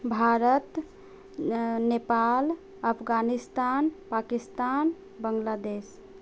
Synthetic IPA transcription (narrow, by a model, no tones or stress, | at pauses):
bʱaɾət̪ | nepal | əpʰɡanist̪anpakist̪an | bəŋɡlad̪es